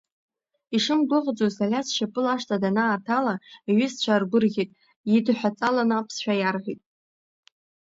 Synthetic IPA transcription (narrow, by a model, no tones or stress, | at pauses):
iʂɨmɡʷʊqʼd͡zozalʲasʰʃapʼɨlaʂtʰʼadanaːrtʰalaɥɪst͡ɕʷʰarɡʷʊrɣʲitʼ | jidħʷᶣat͡sʼalanapʰsʃᶣajarʁʲitʼ